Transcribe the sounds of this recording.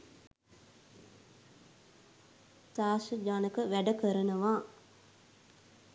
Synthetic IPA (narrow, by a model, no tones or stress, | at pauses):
saːʃəd͡ʒanəkəʋæɖəkəɾənəʋaː